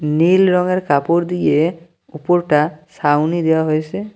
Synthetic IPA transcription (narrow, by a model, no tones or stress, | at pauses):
nilɹɔŋɛɹkapoɹd̪ije | upɔɹʈasawnid̪ejaɦojse